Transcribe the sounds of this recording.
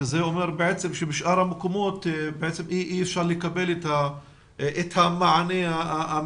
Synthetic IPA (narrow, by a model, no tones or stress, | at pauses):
zeomeɾbeʕet͡semʃebeʃʔaɾhamekomot̪beʕet͡semʔiʔiefʃaɾlekabelet̪ha | ʔet̪hamaʕaneaaa